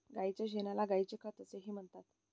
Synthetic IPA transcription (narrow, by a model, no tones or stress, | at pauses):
ɡait͡ɕjaɕenalaɡajt͡ɕekət̪əseɦiːm̤əɳt̪at̪